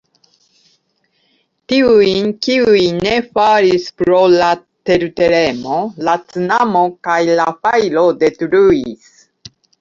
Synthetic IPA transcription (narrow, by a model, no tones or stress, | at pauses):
tiujnkiujne̞faɾispɾo̞la | te̞ɾute̞ɾe̞mo̞lat͡sinamo̞kajlafajlode̞tɾuis